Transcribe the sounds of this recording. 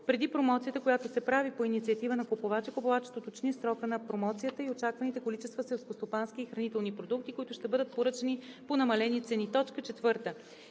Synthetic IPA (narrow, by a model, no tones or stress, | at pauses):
pɾɛd̪ipɾomɔt̪siət̪əkojat̪osɛpɾavipoinit̪siət̪ivənɐkopovat͡ʃɛkopovat͡ʃɛ̥t̪ot̪ot͡ʃnisɾɔkənɐpɾomɔt̪sijət̪əiot͡ʃakvənit̪ɛkolit͡ʃɛst̪vəsɛlˠskost̪opansk̟iːxɾɐnit̪ɛlˠnipɾod̪uk̚t̪ikoit̪ʊʃt̪ɛbɤd̪ət̪̚poɾɤt͡ʃɛniponɐmɐlɛnit̪sɛnit̪ɔt͡ʃkət͡ʃɛt̪vɤɾt̪ə